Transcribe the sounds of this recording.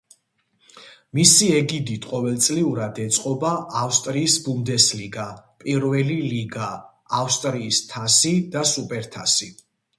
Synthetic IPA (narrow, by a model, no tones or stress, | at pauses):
misiɛɡid̪it̪ʰqʼɔvɛlt̪sʼliuɾad̪ɛt̪sʼqʼɔbaːfst̪ʼɾiːsbumd̪ɛsliɡapʼiɾvɛliliɡaː | fst̪ʼɾiːst̪ʰasid̪asupʼɛɾt̪ʰasi